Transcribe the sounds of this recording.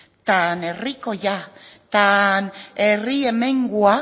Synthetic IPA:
t̪anerikojat̪aneriemeŋɡua

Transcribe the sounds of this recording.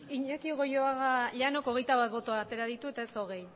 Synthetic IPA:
iɲakiɣo̞joaɣaʎano̞ko̞ɣ̞ejt̪aβat̪̚βo̞t̪o̞aːt̪e̞ɾaðit̪ue̞t̪ae̞so̞ɣ̞e̞j

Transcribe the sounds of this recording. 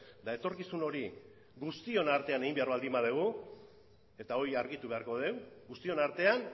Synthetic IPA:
d̪ae̞t̪o̞ɾkisuno̞ɾi | ɡust̪io̞naɾt̪e̞aneimbe̞aɾβald̪imbaðeɣ̞u | e̞t̪ao̞iaɾɣit̪uβe̞aɾko̞ð̞e̞wɡust̪io̞naɾt̪e̞an

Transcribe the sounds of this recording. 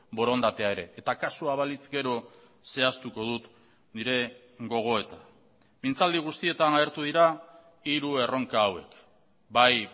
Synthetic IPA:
bo̞ɾo̞nd̪at̪e̞ae̞ɾe̞ʔːt̪akasuaβalit͡sɡe̞ɾo̞ | se̞ast̪uko̞ðut̪ | niɾe̞ | ɡo̞ɣ̞o̞e̞t̪a | mint͡sald̪iɣ̞ust̪ie̞t̪anaeɾt̪uðiɾa | iɾue̞ro̞ŋkaːwe̞k | baj

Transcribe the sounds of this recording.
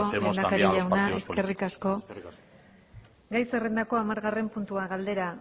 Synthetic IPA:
olend̪akaɾiʎawnae̞ske̞rikasko̞ | ɡajse̞re̞nd̪ako̞amaɾɣare̞mpunt̪uaɣald̪e̞ɾa

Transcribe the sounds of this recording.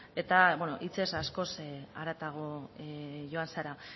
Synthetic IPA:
e̞t̪aβwono̞̰ʔit͡se̞sasko̞saɾat̪aɣ̞o̞eʝo̞ansaɾa

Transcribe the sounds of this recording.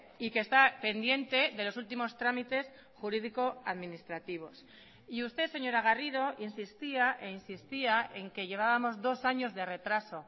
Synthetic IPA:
ike̞st̪ape̞nd̪je̞nt̪e̞ðe̞lo̞sult̪̬imo̞st̪ɾamit̪e̞s | xuɾiðiko̞aðminist̪ɾat̪iβ̞o̞s | iust̪ese̞ɲo̞ɾaɣ̞arið̞o̞ʔinsist̪iaʔe̞insist̪iaʔe̞ŋke̞ʝe̞β̞aβamo̞zðo̞saɲo̞zðe̞re̞t̪ɾaso̞

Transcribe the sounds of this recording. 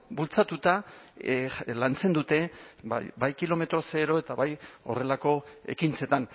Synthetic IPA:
bult͡sat̪ut̪a | lant͡se̞nd̪ut̪e̞̰ | bajkilo̞me̞t̪ɾo̞se̞ɾo̞e̞t̪aβajo̞̰re̞lako̞ḛkint͡se̞t̪an

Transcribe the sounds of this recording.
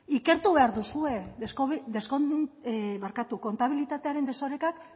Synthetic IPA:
ike̞ɾt̪uβeaɾðusue̞od̪e̞sko | βaɾkat̪uko̞nt̪aβ̞ilit̪at̪e̞aɾe̞nd̪e̞so̞ɾe̞kak

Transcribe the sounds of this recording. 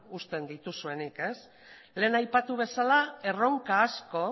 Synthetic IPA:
ust̪e̞nd̪it̪usue̞nike̞s | le̞ːnajpat̪uβ̞e̞salae̞ro̞ŋkaːsko̞

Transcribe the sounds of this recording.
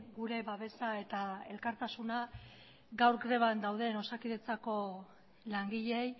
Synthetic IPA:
ɡuɾe̞βaβe̞sae̞t̪ae̞lkaɾt̪asuna | ɡawɾɡɾe̞β̞and̪awðe̞no̞sakiðe̞t͡sako̞ | laŋɡiʎe̞j

